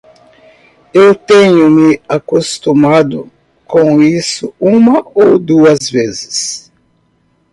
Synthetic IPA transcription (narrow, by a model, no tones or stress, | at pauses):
ewt̪ẽɲʊmɪakost̪umad̪ʊ | kõisʊũmɐowd̪uɐzvezɪ̥s